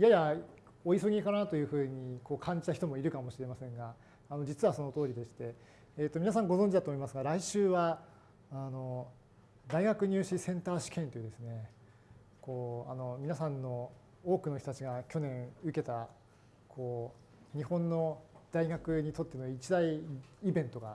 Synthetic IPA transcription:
jaja | o̞isoɡʲikanaat̪ojɯ̟ːɸɯ̟ːɲ̟iko̞ːkʰãɲ̟d͡ʑi̥t̪açi̥t̪o̞moiɾɯ̟kamo̞ɕiɾe̞masẽ̞ŋɡaː | no̞d͡ʑit͡sɨβaso̞no̞t̪o̞ːɾʲid̪e̞ɕi̥t̪e̞ | eːt̪ːomʲinas̬ãŋɡo̞zõɲ̟d͡ʑid̪at̪omoimasɨɡaɾaiɕɨːβaː | no̞ | d̪aiɡakɯ̟ɲ̟ʲɨːɕisẽ̞nt̪aːɕi̥kẽ̞nt̪ojɯ̟d̪e̞sɨne̞ | ko̞ːa̰no̞mʲinasãnːo̞ | oːkɯ̟no̞çtot̪at͡ɕiɡakʲo̞nẽ̞ɰ̃ɯ̟ke̞t̪a | kʰo̞ː | ɲ̟ihõ̞nːo̞d̪̥aiɡakɯ̟ɲ̟it̪o̞t̪ːe̞noit͡ɕid̪aiːbẽ̞nt̪o̞ɡa̰

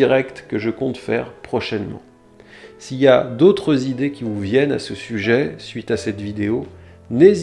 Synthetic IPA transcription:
iʁɛkt̪kəʒəkɔ̃t̪fɛ̰ʁpχɔʃɛnmɑ̰̃ | siljad̪ot̪χəzid̪ekʲivuvjɛna̰səsyʒɛsɥit̪asɛt̪vid̪eo | nez

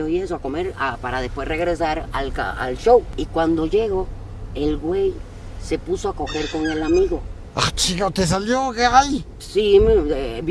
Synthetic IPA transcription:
ojesoako̞me̞ɾapaɾaðespwe̞sre̞ɣɾe̞saɾalka̰a̰lʃo̞wikwand̪o̞ʝe̞ɣo̞ | e̞lɡwe̞j | se̞pusoako̞xe̞ɾko̞ŋe̞lamiɣo̞ | at͡ʃiɣot̪es̬aljokeaj | simeb

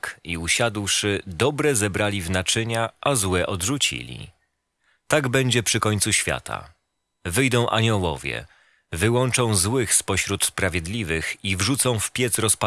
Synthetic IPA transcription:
kiuɕad̪wʂɘd̪ɔbɾɛzɛbɾalʲivnat͡ʂɘɲaʔazwɛʔɔd̪ʐut͡ɕḭlʲḭ | t̪aɡbɛɲd͡ʑɛpʂɘkɔɲʲt̪suɕfʲja̰t̪ʰa̰ | vɘjd̪ɔ̃w̃ʔa̰ɲɔwɔ̰vʲjɛ̰ | vɘwɔnt͡ʂɔ̃w̃zwɘxspɔɕɾut̪spɾavʲjɛd̪lʲivɘxivʐut̪sɔ̃w̃fpʲjɛt̪sɾɔspa

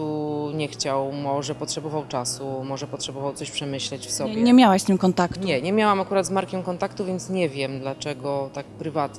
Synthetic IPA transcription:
uɲɛxt͡ɕawmɔʐɛpɔtʂɛbɔvawt͡ʂasumɔʐɛpɔtʂɛbɔvawt̪ɔɕpʂɛmɘɕlɛt͡ɕfsɔbbɲɛmʲjawaɕst̪ɘmkɔnt̪akt̪ɲɲɛɲɛmʲjawamakuɾad̪zmaɾkʲɛmkɔnt̪akt̪uvʲjɛnt̪sɲɛvʲjɛmd̪lat͡ʂɛɡɔt̪ak̚pɾɘvat̪

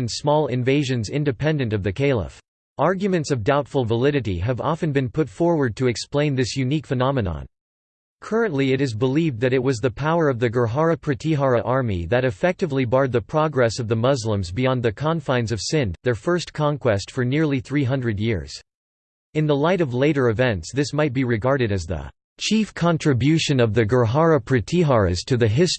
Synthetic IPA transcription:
ɨ̃nsmɔlˠɪ̰̃ɱveɪʒɨ̃nzɪ̃ndɨpʰɛ̃ndɨ̃ntʌvðɨkʰeɪlˠə̰f | ʔɑɹɡjɨmɨ̃ntsʌvdaʊtfl̩ˠvəlɪɾɨɾḭɨvɑ̰fɨ̃nbɨ̃npʰʊtfɔɹwə˞d̚tʰɨɨksplẽɪ̃nðɪsjʉnikfɨnɑmɨnɑ̰̃n | kʰɜ˞ɨ̃nʔliɨɾɨzbəlivdðɨɾɨt̚wʌzðɨpʰaʊə˞ʌvðɨɡə˞ɦɑɹɨpʰɹ̥ɨtʰiɦɑɹɨʔɑɹmḭðɨɾɨfɛk̚tɨvlibɑɹd̪̚ðɨpʰɹ̥ɑɡɹɛsʌvðəmʌzlə̃mzbiɑ̃nðɨkʰɑ̃nfãɪ̃nzʌv̥sɪ̃nðə˞fɜ˞skʰɑ̃nkw̥ɛstfə˞nɪɹlˠiθɹiɦʌ̃ndɹɨdjɪ̰ɹz̥ | ɨ̃nðəlaɪɾʌvleɪɾə˞ɨvɛ̃ntsðɪsmaɪt̚b̥iɹɨɡɑɹɾɨɾɨzðə̰ | t͡ʃʰifkʰɑ̃ntʰɹ̥ɨbjʉʃɨ̃nʌvðɨɡə˞ɦɑɹɨpʰɹ̥ɨtʰiɦɑɹɨ̰z̥tʰɨðɨɦɪs

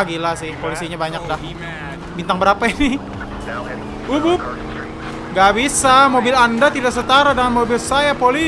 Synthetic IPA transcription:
ɡilahsɪhpolisiɲabaɲak̚dah | bint̪aŋbəɾapainɪ | ubʊp̚ | ŋɡaʔbisamobɪlandat̪idaʔsət̪aɾadəŋanmobɪlsajapoli

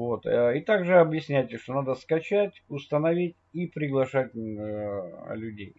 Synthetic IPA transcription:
vot̪it̪aɡʐɨɐbjɪsʲnʲæjtʲɪʂt̪o̞nad̪əskɐt͡ɕætʲʊst̪ənɐvʲitʲipɾʲɪɡlˠɐʂat̚ʲ | lʲʊdʲej

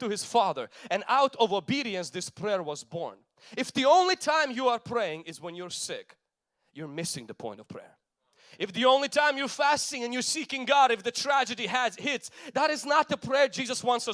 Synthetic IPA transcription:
tɨɨz̥fɑðə˞ɨ̃naʊɾʌvobiɾiɨ̃nsðɪspʰɹ̥ɛɹwʌzbɔ̰ɹn | ɨfðiõʊ̃nlitʰãɪ̃mjɨə˞pʰɹ̥eɪɪ̃ŋɨzwə̃njə˞sɪk | jə˞mɪsɪ̃ŋðɨpʰɔ̰̃ɪ̃ntʌv̥pʰɹ̥ɛ̰ɹ | ʔɨfðiõʊ̃nlitʰãɪ̃mjə˞fæstɪ̃ŋɨ̃njɨ˞sikɪ̃ŋɡɑɾɨfðɨtʰɹ̥æd͡ʒɨɾiɨzhɪtsðəɾɨznət̪̚ðəpʰɹ̥ɛɹd͡ʒizʌswɑ̃ntsɨ

